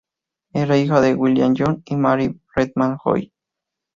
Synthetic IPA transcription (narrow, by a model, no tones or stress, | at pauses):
eɾeixaðewiljanjonimaɾired̪̚manxo̰j